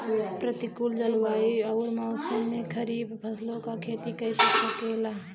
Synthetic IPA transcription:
pɾət̪ikuld͡ʒəlwaːiɐɾmaʊsəmːẽkʰəɾiːbpʰəslõkakʰeːt̪ikɐitəsokeːlaː

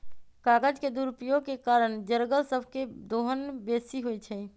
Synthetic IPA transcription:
kaːɡəd͡ʒked̪uːɾupjoɡ̚kekaːɾəɳd͡ʒəɾɡəlsəbʱked̪oːɦənbeːsiɦoit͡ʃʰɛ

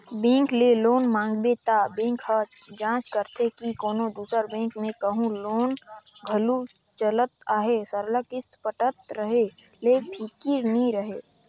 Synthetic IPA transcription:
bẽːŋkleloːnmãːŋɡbet̪abẽːkhət̪d͡ʒãːt͡ʃkəɾt̪ʰekikoːnod̪uːsəɾbẽːŋkmẽkəɦũloːnɡʱəlu | t͡ʃələt̪̚aːɦesəɾləkɪst̪pəʈət̪ɾəɦe | lepʰikiɾnĩɾəɦeː

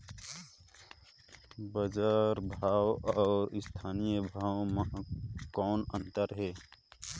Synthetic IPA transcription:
bəzaːɾbʱaːwɔːɾɪst̪ʰaːnijəbʱaːwməɦkɔːnə̃nt̪əɾɦɛː

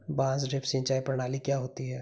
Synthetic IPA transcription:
bãːzɖɪpʰsɪ̃nt͡ʃaːipɾɐɽ̃aːlikjaɦoːt̪iɦɛː

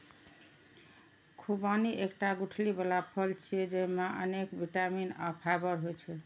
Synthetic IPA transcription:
kʰubaniʔekʈaɡuʈʰlibelapʰəlt͡ʃʰied͡ʒeɦimaʔə̰nekbiʈamina̰pʰabəɾɦojt͡ʃʰɛ

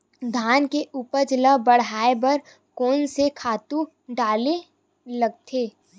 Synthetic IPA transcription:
d̪ʱaːnkeʔupəɾd͡ʒələbəɽ̤aːebɐɾ | koːnsekʰaːt̪u | ɖaːle | lɐɡ̚t̪ʰeː

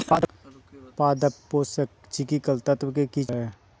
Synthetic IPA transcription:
a | paːd̪əpːoːsek | t͡ʃikikəlt̪ət̪wkeki

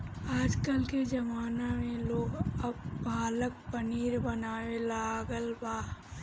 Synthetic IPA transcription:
aːd͡ʒkəlked͡ʒɐmaːnamẽloːɡɐbːʱaːlək̚pəniːɾbɐnaːʋelaɡəlbaː

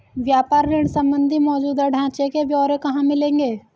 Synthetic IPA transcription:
ʋjaːpaːɾːeɳsɐ̃mbə̃nd̪ʱimɔːd͡ʒuːd̪aɖʱãːt͡ʃekebʱjɔːɾẽkɐɦãmɪlẽːŋɡeː

